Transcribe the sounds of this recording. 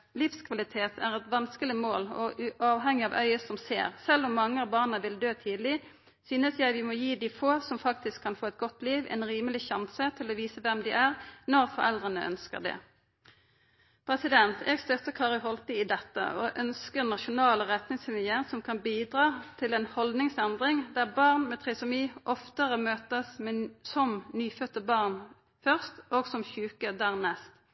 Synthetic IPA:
lɪfskʰʋɑlɪt̪ʰeːt̪ʰæ̰ʁɛt̪ʋɑnskəlɪmoːlɔʔʉʔɑːʋɦɛŋːɪɑʋʔœ̰ʏəsɔmsḛːʁsɛlːɔmːɑŋːəɑʋbɑːʁnəʋɪld̪øːt̪ʰiːd̪l̩ɪ | syːnəsjæɪʋɪmɔjiːd̪ɪfoːsɔmfɑk̚t̪ɪskʰːɑnfoːɛt̪̚ɡɔt̪liːʋɛ̰nʁiːməlɪçɑnsət̪ʰɪlɔʋiːsəʋɛmd̪ɪʔæʁnɔʁfɔʁɛ̰ld̪ʁənəʔœ̰nskə̰ʁd̪ɛ̰ | pʰʁɛsɪd̪ɛnt̪ʰeːɡst̪œt̪əkʰɑːʁɪɦɔlt̪ɪɪd̪ɛt̪ːə̰ʔɔʔœnskəʁnɑʃʊnɑːləʁɛt̪nɪŋsɪlɪəʁsɔmkʰɑnbiːd̪ʁɑːt̪ʰɪlɛnhɔld̪nɪŋsɛnd̪ʁɪŋd̪æʁbɑʁnmɛːt̪ʰʁɛːsɔmiːʔɔft̪əʁəmøːt̪əsmɛsɔmnyːfœt̪ːəbɑʁn | fœʁst̪oːɡsɔmçʉːkəd̪æːʁnɛst̪

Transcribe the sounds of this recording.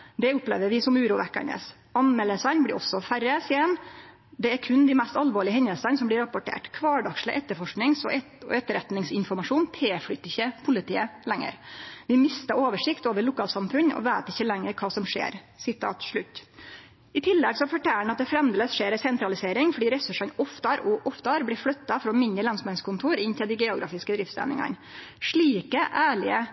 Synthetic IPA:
d̪ɛʊpleːʋəʋɪsɔmʉːɾuːʋɛkːə̰ɳə̰s | ɑnmɛləsɑnblɪɾʔɔ̰sːɔfæɾəsiːɛn | d̪ɛæɾkʰʉnd̪ɪmɛst̪ɑlʋoːɭɪəhɛɲːəlsənsɔmblɪɾɑpɔʈʰḛːʈkʰʋɑːɖɑkʂlə̰ʔɛt̪ːəɾfɔʂknɪŋsɔ | ɛt̪əɾɛt̪nɪŋsɪnfɔɾmɑʂuːnt̪ʰeːflʏt̪ːɪçːəpʰʊlɪt̪ʰiːəlɛŋːə̰ɾʋɪmɪst̪ɑɾoːʋəʂɪkt̪oːʋəɾɭʊkʰɑːlsɑmfʉnɔ̰ʋæːt̪ɪçːəlɛŋːəɾkʰɑːsɔmʂḛːɾ | sɪt̪ʰɑ̰ːt̪ʂɭʉt̪ː | ɪt̪ʰɪlːɛɡsɔfɔʈʰæːəɳɑt̪̚d̪ɛfɾɛmd̪eːləsʂeːɾɛsɛnt̪ɾɑlɪseːɾɪŋfɔɖiːɾɛsʉʂɑnɔft̪ɑɾɔʔɔft̪ɑɾblɪflœt̪ːɑfɔɾɔɔmɪnəlɑnsmɛnskʰʊnt̪ʰuːɾɪnt̪ʰɪld̪ɪɡeːʊɡɾɑ̰ːfɪskəd̪ɾɪft̪sæ̰nɪ̰ŋɑ̰nʂɭiːkəʔæːɭɪə

